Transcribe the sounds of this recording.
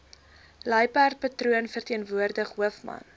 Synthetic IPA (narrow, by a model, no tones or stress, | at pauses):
lɐjpært̚pɐtruənfərtiənvuərdəχɦuəfmɐ̰n